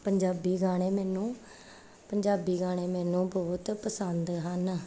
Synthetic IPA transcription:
pəɲd͡ʒaːbiːɡaːɽ̃eːmɛːnũː | pəɲd͡ʒaːbiːɡaːɽ̃ẽːmɛːnũːbɔːt̪pəsənd̪ɦən

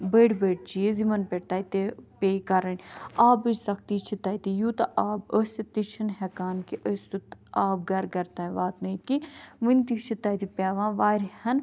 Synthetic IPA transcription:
bəːɖbəːɖt͡ʃiezimɐnpʲeʈt̪aːjt̪epeːkɐɾɐnʲaːbɨsɐk̚t̪iːt͡ʃʰit̪aːjt̪ijuːt̪ɐʔaːbəsɐt̪it͡ʃʰɐnɦɛkaːnkiʔəsʲt̪ut̪aːb̚ɡɐɾɡɐɾt̪ãːʋaːt̪nɐit̪kiʋɨnt̪it͡ʃʰit̪ɐːjt̪ipʲaːʋãːʋaːɾihɐn

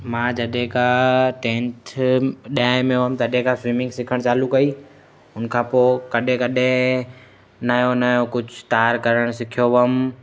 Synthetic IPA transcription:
mãːd͡ʒɐɗẽkaʈẽːntʰɗiaːɪ̃mẽʋəmt̪ɐɗẽkãswiːmɪ̃ŋɡsɪkʰəɽ̃t͡ʃaːlukɐiː | ʊnkʰãːpoːkɐɗẽkɐɗẽ | nɐjonəjokʊd͡ʒʱt̪aːɾkɐɾəɽ̃sɪkʰijoʋəm

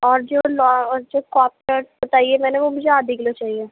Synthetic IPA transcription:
ɔːɾd͡ʒoːlɔɔɾd͡ʒoːkɔːp̚ʈəɾsbɐt̪aːiemɛ̃ːneʋomʊd͡ʒʱeaːd̪ʱiɡlot͡ʃaːɦie

